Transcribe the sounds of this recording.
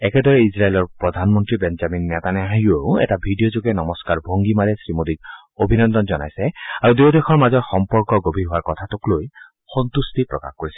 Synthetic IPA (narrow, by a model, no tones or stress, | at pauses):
ɛkɛdɔɹɛizɹaelɔɹpɹɔd̪ʱanmɔntɹibɛnzaminːɛt̪anɛaɦioʊɛ̰tabʱidijɔzoɡɛnɔmɔskaɹbʱoŋɡimalɛsɹimodiɡ | obʱinɔnd̪ɔnzɔna̰jsɛaɹudewdexʰɔɹmazɔɹxɔmpɔɹkɔɡobʱiɦʊwaɹkɔtʰatʊkloj | xɔnt̪ustipɹɔka̰xkoɹisɛ